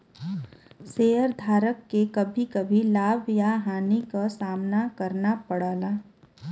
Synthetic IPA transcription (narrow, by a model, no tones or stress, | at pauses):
seːəɾd̪ʱaːɾəkːekɐbʱikɐbʱilaːbʱjaɦaːnikasaːmnakɐɾnapɐɽ̤aːlaː